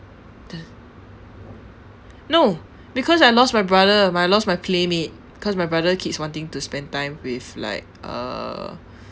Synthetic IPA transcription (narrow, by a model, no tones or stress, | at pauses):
dɛ | no | bikʰɔsajlɔs̚majbɹadəmajlɔstmajpʰlemet̚bikʰɔsmajbɹadəkʰitswɔ̃ntĩŋtuspɛ̃ntãj̃mwifla̰ɪk̚ʔʌ̰